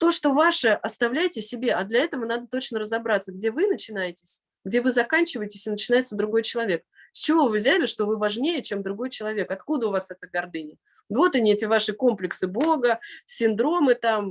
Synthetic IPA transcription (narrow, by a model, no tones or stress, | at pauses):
t̪o̞ʂt̪o̞vaʂəʔɐst̪ɐvlʲæjɪtʲɪsʲɪbʲe̞ɐd̪lʲɐɛt̪əvənad̪ət̪o̞t͡ɕnərəzɐbɾat̪sːəɡ̚dʲe̞vɨnət͡ɕɪn̪ajɪtʲɪsʲ | ɡdʲe̞vɨzɐkanʲt͡ɕɪvəjɪtʲɪ̥sʲɪnət͡ɕɪnajɪt̪səd̪ɾʊɡo̞jt͡ɕɪlˠɐvʲe̞k̚ | sʲt͡ɕɪvo̞vɨvzʲælʲɪʂt̪o̞vɨvɐʐnʲejət͡ɕe̞md̪ɾʊɡo̞jt͡ɕɪlˠɐvʲe̞kɐt̪kud̪əʊvasɛt̪əɡɐrd̪ɨnʲɪ | d̪vo̞t̪ɐnʲɪɛtʲɪvaʂɨko̞mplʲɪksɨbo̞ɡəsʲɪnd̪ɾo̞mɨt̪am